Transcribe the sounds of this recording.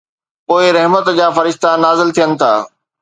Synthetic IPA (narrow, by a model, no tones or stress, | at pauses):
poːɪɾɛɦmət̪d͡ʑaːfɐɾɪʃt̪anaːzɪlt̪ʰijənɪ̆t̪ʰa̰ː